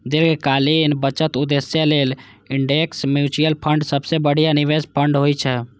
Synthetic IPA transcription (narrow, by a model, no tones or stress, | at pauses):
d̪eɾkekalinbət͡ʃət̪ud̪esjəlel | iɳɖeksmjut͡ʃijəlpʰəɳɖsəbsebəɽ̤ijaniʋespʰəɳɖɦojt͡ʃʰɛ